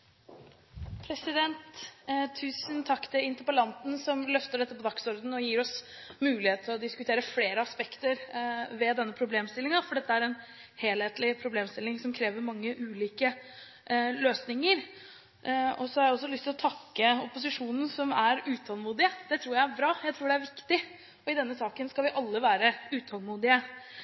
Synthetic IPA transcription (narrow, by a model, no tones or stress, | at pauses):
pʰɾɛsɪd̪ɛnt̪t̪ʰːʉːsənt̪ʰɑkːt̪ʰɪlɪnt̪əɾpəlɑnt̪n̩sɔmlœft̪əɖɛt̪ːəpʰɔd̪ɑksɔɾd̪n̩ɔjiːɾɔs | mʉːlɪheːt̪ʰɪlɔd̪ɪskʉt̪ʰeːɾəfleːɾəɑspɛkt̪əɾʋɛd̪ɛnːəpʰɾʊbleːmst̪ɪlːɪŋɑfɔɖɛt̪ːəæɾɛn | heːlheːt̪lɪpʰɾʊbleːmst̪ɪlːɪŋsɔmkʰɾeːʋəɾmɑŋːəʔʉːliːkə | løːsnɪŋəɾ | ɔsɔhɑɾjæɪɔsːɔlʏst̪ʰɪlɔt̪ʰɑkːəɔpʊsɪʂuːnn̩sɔmæɾʉːt̪ʰɑlmuːd̪ɪəd̪̥ɛt̪ʰɾuːɾjæɪæɾbɾɑːjæɪt̪ʰɾuːɖɛæɾʋɪkt̪ɪ | ɔɪd̪ɛnːəsɑːkənskɑlʋɪʔɑlːəʋæːɾəʉːt̪ʰɑlmuːd̪ɪə